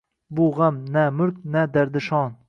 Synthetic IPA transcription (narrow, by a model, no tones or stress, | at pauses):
bʊʁamnæmʊɾk̚nad̪aɾd̪ɪʃɑːn